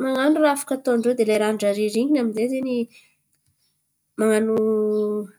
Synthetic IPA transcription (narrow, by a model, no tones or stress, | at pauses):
maŋanurafḁkət̪oaɳɖ͡ʐwewd̪elajɾanɖ͡ʐaɾiɾiɲinaminzezeni | maŋanu